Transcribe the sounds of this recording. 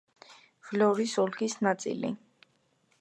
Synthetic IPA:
vlɔɾisɔlɡisnat̪sʼḭlḭ

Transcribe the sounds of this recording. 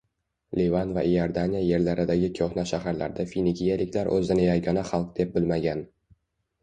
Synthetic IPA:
levanva̰joɾd̪anʲijaje̞ɾlaɾɪd̪aɡʲɪkʲʰoχnaʃahaɾla̰ɾd̪afinikʲʰijalɪkʲlaɾʔɵ̰zɪnɪjaɡɒnaχɑlˠq̚d̪e̞p̚bɪlmaɡʲan

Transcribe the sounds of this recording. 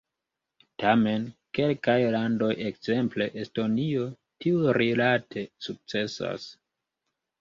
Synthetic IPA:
tame̞nke̞lkajlando̞jekz̥e̞mple̞ʔesto̞nio̞ | tiuɾilatʰe̞suk̚t͡se̞sa̰s

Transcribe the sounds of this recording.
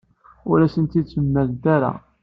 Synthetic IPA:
ʊlæsənt̪id̪t͡sːəmːæld̪æɾa̰

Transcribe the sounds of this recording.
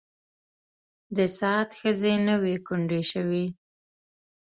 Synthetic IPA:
d̪əsɑːt̪xəzenəwekʊɳɖeʃəwi

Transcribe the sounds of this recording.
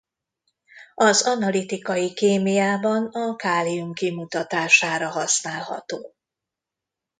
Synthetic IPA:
ɒzɒnɒlit̪ikɒjikeːmijaːbɒnɒkaːliumkimut̪ɒt̪aːʃaːɾɒɦɒsnaːlhɒ̰t̪oː

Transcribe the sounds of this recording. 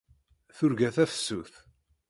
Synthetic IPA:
θʊɾɡæθæfə̥sːuθ

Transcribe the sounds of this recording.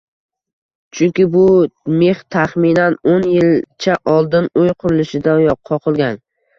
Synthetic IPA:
t͡ʃʰʊŋkʲɪbʊme̞ht̪ʰaχmɪnanonjɪlt͡ʃʰaʔɒlˠd̪ɪnojqʰʊɾɪlɪʃɪd̪ajɒqʰːɒqʰɨlˠɡʲan

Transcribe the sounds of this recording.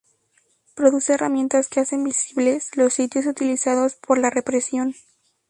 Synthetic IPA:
pɾo̞ðuse̞ːramje̞nt̪askease̞mbisiβle̞slo̞sːit̪jo̞s̬ut̪ilisaðo̞spʰo̞ɾlare̞pɾe̞sjo̞n

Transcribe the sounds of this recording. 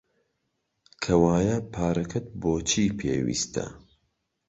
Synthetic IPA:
kʰɐwaːjɐpʰaːɾɐkʰɐt̪̚boːt͡ʃʰiːpʰḛːwḭst̪ʰɐ̰

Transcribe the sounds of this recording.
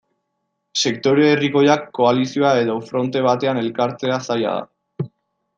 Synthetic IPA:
se̞kt̪o̞ɾeːriko̞jakːo̞alisio̞ae̞ðo̞fɾo̞nt̪e̞β̞at̪e̞ane̞lkaɾt͡se̞asaja̰ð̞a̰

